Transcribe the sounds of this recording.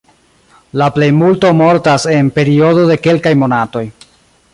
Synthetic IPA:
laple̞jmulto̞mo̞ɾtase̞npe̞ɾio̞do̞de̞ke̞lkajmo̞nato̞j

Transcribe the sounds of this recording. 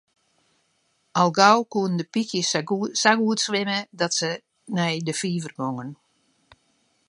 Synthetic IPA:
alˠɡawkuənndəpikjəsaɡuətsʋɪmədɔtsə | nɛjdəfiːvərboŋən

